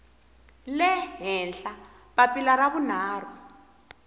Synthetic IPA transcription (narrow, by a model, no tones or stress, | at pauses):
lɛɦɛnɬa | βapʼilaraβunaːru